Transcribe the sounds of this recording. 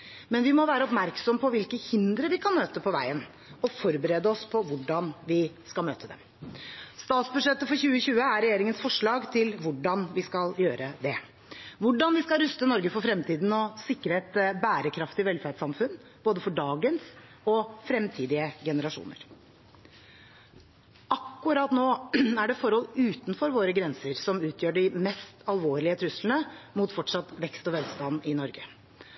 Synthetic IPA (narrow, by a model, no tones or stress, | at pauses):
mɛnʋɪmɔʋæːɾəɔpmæɾksɔməpʰɔʋɪlkəhɪnd̪ɾəʋɪkʰɑnmøːt̪əpʰɔʋæ̰ɪən | ɔfɔɾbəɾeːd̪əɔspʰɔʋʊɖɑnʋɪskɑlmøːt̪ʰəd̪ɛ̰m | st̪ɑːt̪sbʉʂɛt̪ːəfɔɾçʉːəçʉːəæɾɛjeːɾɪŋənsfɔʂɭɑːɡt̪ʰɪlʋʊɖɑnʋɪskɑljøːɾəd̪ɛ | ʋʊɖɑnʋɪskɑlɾʉst̪ənɔɾɡəfɔɾfɾɛmt̪ʰiːd̪n̩ɔsɪkːɾəɛt̪bæːɾəkʰɾɑft̪ɪʋɛlfæɖsɑmfʉnː | boːd̪əfɔɖɑːɡəns | ɔfɾɛmt̪ʰiːd̪ɪəɡɛnəɾɑʂṵːnə̰ɾ | ʔɑkːʉɾɑt̪noːæɖɛfɔɾhɔlʉːt̪nfɔɾʋoːɾəɡɾɛnsəɾsɔmʉːt̪ʰjøːɖɪmɛst̪ʰɑlʋoːɾɭɪət̪ʰɾʉsln̩əmʊt̪fɔʈʂɑt̪ʋɛkst̪ɔʋɛlst̪ɑnːɪnɔɾɡə